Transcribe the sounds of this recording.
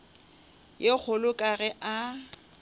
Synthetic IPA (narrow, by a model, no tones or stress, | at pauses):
jek͡xʰʊlʊkʼaɣɛʔa